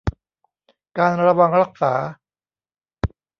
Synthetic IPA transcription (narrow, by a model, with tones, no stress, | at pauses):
kaː˧nɾa˧wa˧ŋɾa˦˥˩k̚saː˩˦